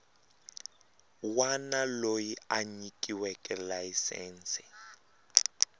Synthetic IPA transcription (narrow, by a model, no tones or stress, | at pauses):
wanalojiaɲikʼiwɛkʼɛlajisɛ̰ːnt͡sʰʼɛ̥